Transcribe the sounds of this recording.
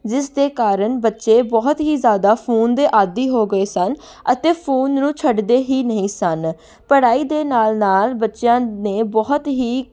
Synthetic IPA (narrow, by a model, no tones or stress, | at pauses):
d͡ʒɪsd̪eːkaːɾəɳbətːʃeːbɔːɦt̪ɦiːzjaːd̪aːpʰuːnd̪eːʔaːd̪iːɦoːɡəeːsən | ət̪eːpʰuːnːũːt͡ʃʰəɖd̪eːɦiːnəɦĩːsən | pəɽaːiːd̪eːnaːlnaːlbətːʃjãːnẽːbɔːt̪ɦiː